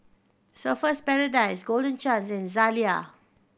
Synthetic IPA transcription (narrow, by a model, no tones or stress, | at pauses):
səfəspɛɹədaɪsɡoldə̃nt͡ʃãnsɛ̃nzalia